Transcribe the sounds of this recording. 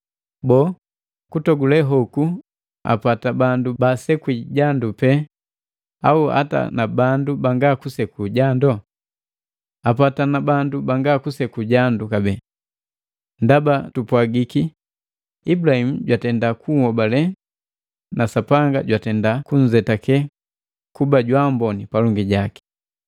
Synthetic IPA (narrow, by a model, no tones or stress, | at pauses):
bɔ | kutɔɡulɛɦɔku | a̰patabandubasɛkiɟandupɛ | aua̰ta̰nabandubaŋɡakusɛkuɟandɔ | apatanabandubaŋɡakusɛkuɟandukabɛ | ndabatupwaɡiki | ibulahim̩ɟwatɛndakuhɔbalɛ | nasapaŋɡa̰ɟwatɛndakuɲ̩zɛtakɛ | kubaɟwambɔnipalɔŋɡiɟaki̥